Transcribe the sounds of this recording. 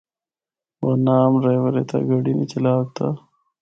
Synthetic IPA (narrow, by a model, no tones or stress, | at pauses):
wonaːmɾeːwɐɾḛt̪ʰa̰ɡɐɽinit͡ɕɐlaːɡ̚t̪ʰa